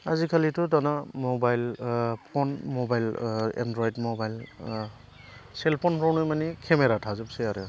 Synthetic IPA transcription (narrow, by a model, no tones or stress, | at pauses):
azikʰalitɔdanamɔbajlpʰɔnmɔbajla̰ndɹɔjdmɔbajl | sɛlpʰɔnpʰɹɔwnɔjmanikʰɛmeɾatʰazɯp̚sɛjaɾɛ